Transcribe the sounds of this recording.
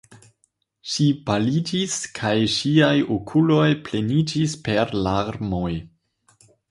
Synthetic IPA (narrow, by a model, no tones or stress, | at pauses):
ʃipalid͡ʒiskʰajʃiajokʰulo̞jple̞nid͡ʒispe̞ɾlaɾmo̞j